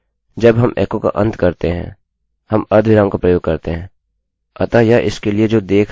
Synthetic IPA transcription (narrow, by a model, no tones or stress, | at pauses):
d͡ʒɐbɦɐmʔɛ̰ːkõka̰ʔɐ̰̃nt̪kɐɾt̪eɦɛ̰̃ | hɐmɐɾd̪ʱʋɪɾaːmkapɾɐjoːɡ̚kɐɾt̪eɦɛ̃ː | ɐt̪ajaʔɪ̰skelied͡ʒoːd̪eːkʰ